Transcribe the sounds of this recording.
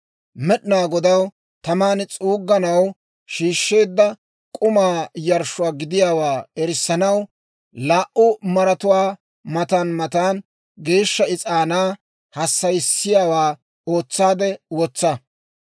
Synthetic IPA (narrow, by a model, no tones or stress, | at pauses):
mɛɗnaːɡɔd̪ɐw | t̪ɐmaːnɪt͡sʼuːɡːɐnɐw | ʃiːʃːe̞ːd̪ːɐ | kʼʊmaːjɐɾʃʊwaːɡɪd̪ɪjaːwaːɛɾɪsːɐnɐw | laːʔʊmɐɾɐt̪ʊwaː | mɐt̪anmɐt̪aːn | ɡe̞ːʃːɐɪt͡sʼaːnaː | hɐsːɐjsːɪjaːwaː | o̞ːt͡sːaːd̪ɛwɔt͡sːɐ